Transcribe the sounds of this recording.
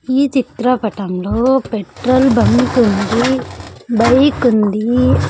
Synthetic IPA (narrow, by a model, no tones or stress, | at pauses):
iːt͡ʃit̪ɾɐpɐʈɐmloːpeʈɾɐlbɐŋkund̪i | bɐjkund̪i